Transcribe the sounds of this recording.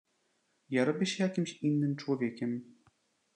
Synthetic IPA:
jaɾɔbʲiɕejakʲimɕinːɨmt͡ʂwɔvʲekʲem

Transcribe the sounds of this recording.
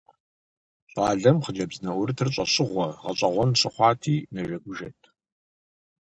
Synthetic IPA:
ɕʼaːɮɐmχəd͡ʒɐbznɐʔwʊɾɨtʰrɕʷʼɐɕɪʁʷɔʁɐɕʼɐʁʷɔnɕɨχʷɑːtʰiːnɐʒɐɡʷʊʒɐtʰ

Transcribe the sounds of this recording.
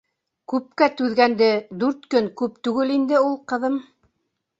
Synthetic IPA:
kʉp̚kæt̪ʉðɡænd̪ɘd̪ʉɾt̪kɵŋkʉpt̪ʉɡɘlind̪ɘulˠqɤ̆ðɤm

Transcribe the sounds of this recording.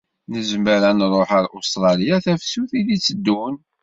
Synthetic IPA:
nəzəməɾænrˤoħəlʔost̪ɾˤɑlijaθæfsuθilit͡sːəd̪ːun

